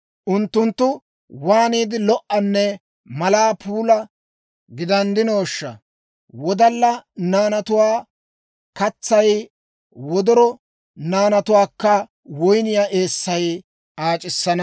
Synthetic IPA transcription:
ʔʊnt̪ːʊnt̪ːʊ | waːniːd̪ɪlɔʔɐnːɛ | mɐlaːpʰuːlɐ | ɡɪd̪ɐnd̪ɪnoːʃːɐ̰ | wɔd̪ɐlːɐnaːnɐt̪ʊwaː | kɐt͡sːɐj | wɔd̪ɔɾɔ | naːnɐt̪ʊwaːkːɐ | wɔjnɪjaːʔeːsːɐj | ʔaːt͡ʃʼɪsːɐnɐ

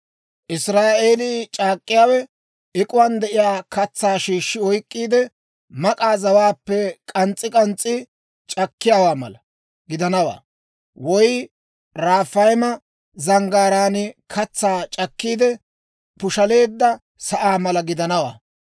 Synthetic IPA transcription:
ʔɪsɾaːʔe̞ːliːt͡ʃʼaːkʼːɪjaːwɛ | ʔɪkʼʊwɐnd̪ɛʔɪjaːkɐt͡sːaːʃiːʃːɪɔjkʼːiːd̪ɛ | mɐkʼaːzɐwaːpːɛkʼɐnt͡sʼːɪkʼɐnt͡sʼːɪ | t͡ʃʼɐkːɪjaːwaːmɐ̰lɐ | ɡɪd̪ɐnɐwa̰ː | wɔj | ɾaːfɐjmɐ | zɐŋɡaːɾaːnɪkʰɐt͡sːaːt͡ʃʼɐkːiːd̪ɛ | pʊʃɐle̞ːd̪ːɐ | sɐʔaːmɐlɐɡɪd̪ɐnɐwa̰ː

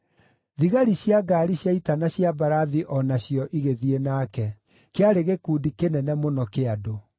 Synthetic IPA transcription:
ðiɣaɾiɕjaɡaːɾiɕjaitanaɕjabaɾaðiʔɔnaɕjɔʔiɣeðienakɛ | keaɾeɣekuːdikenɛnɛmonɔkeado

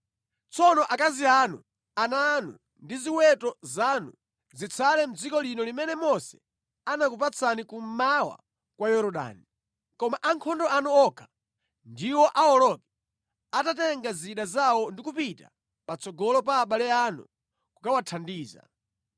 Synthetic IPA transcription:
t͡sɔnɔʔakazianṵ | ananṵ | ndiziwɛtɔzaːnṵ | zit͡sʰalɛm̩d͡zikɔlinɔlimɛnɛmɔsɛ̥ | anakup̬at͡sʰanikum̩mawa̰ | kwajɔɾɔɗa̰ːni | kɔmaʔaŋkʰɔndɔanuɔkʰḁ | ndiwɔʔawɔlɔkɛ | atatɛŋɡaziɗazawɔndikupita̰ | pat͡sɔɡɔlɔp̬aːɓalɛanṵ | kukawatʰandiːza̰

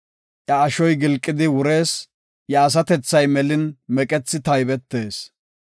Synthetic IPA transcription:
ʔjɐːʃɔjɡɪlkʼːɪd̪ɪwʊɾe̞ːs | jaːs̬ɐt̪ɛt͡sːɐjmɛlɪnmɛkʼɛt͡sːɪt̪ɐjbɛt̪ːe̞ːs

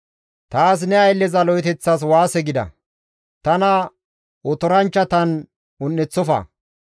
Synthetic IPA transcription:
t̪aːs̬nɛɐjlːɛzɐlɔjt̪ɛt͡sːɐs̬waːsɛɡɪd̪ɐ̰ | t̪ɐnɐ | ɔt̪ɔɾɐnt͡ʃːɐt̪ɐn | ʊnːɛt͡sːɔfɐ̰

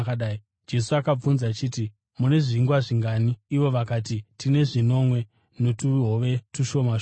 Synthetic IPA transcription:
ɗai | d͡ʒe̞suakab͡vunzat͡ʃiːti | mune̞ʐiŋɡwaʐiŋɡaniːʋo̞ʋakaːt̬itine̞ʐino̞mwe̞ | no̞tuɦoʋe̞tuʃo̞mao

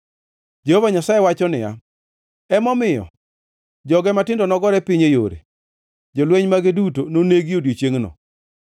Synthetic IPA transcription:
d͡ʒehovaɲasaewat͡ʃɔnɪja̰ | ɛmɔmɪjɔ̰ | d͡ʒɔɡɛmatɪndɔnɔɡɔɾɛpɪɲejoɾḛ | d͡ʒɔlweɲmaɡɪdutononeɡodjet͡ʃeŋnɔ̰

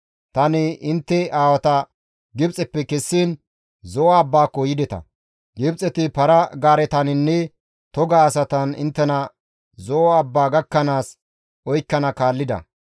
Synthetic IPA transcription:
t̪ɐnɪɪnt̪ːɛaːwɐt̪ɐ | ɡɪbt͡sʼɛpːɛkɛsːiːn | zɔːbːaːkɔjɪd̪ɛt̪ɐ̰ | ɡɪbt͡sʼɛt̪ɪpɐɾɐɡaːɾɛt̪ɐnɪnːɛ | t̪ɔɡaːsɐt̪ɐnɪ̰nt̪ːɛnɐ | zɔːbːaːɡɐkːɐnaːs | ɔjkːɐnɐkaːlːɪd̪ɐ̰

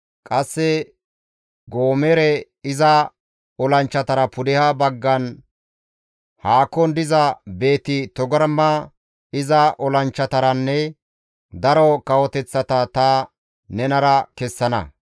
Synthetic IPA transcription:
kʼɐsːɛ | ɡoːmɛɾɛ | ɪzɐ | ɔlɐnt͡ʃːɐt̪ɐɾɐpʊd̪ɪhɐbɐɡːɐn | haːkːɔnd̪ɪzɐbe̞ːt̪ɪt̪ɔɡɐɾmːɐ | ɪzɐʔɔlɐnt͡ʃːɐt̪ɐɾɐnːɛ | d̪ɐɾɔkɐwɔt̪ɛt͡sːɐt̪ɐt̪ɐ | nɛnɐɾɐkɛsːɐnɐ̰

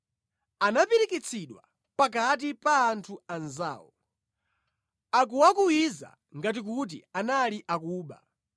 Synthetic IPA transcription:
anapiɾikit͡sʰiɗwa | pak̬at̬ipaːntʰuanza̰ːwɔ | ak̬uwakuwiza̰ | ŋɡat̬ik̬ut̬ianaliʔakuːɓa̰

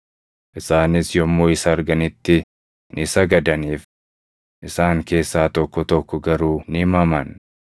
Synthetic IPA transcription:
ʔɪsaːnɪsjɔmːoːɪsɐːɾɡɐnɪt̪ːɪ | nɪsɐɡɐd̪ɐniːf | ʔɪsaːŋke̞ːsːaːt̪ɔkːɔt̪ɔkːɔɡɐɾuːnɪɪmɐmɐn

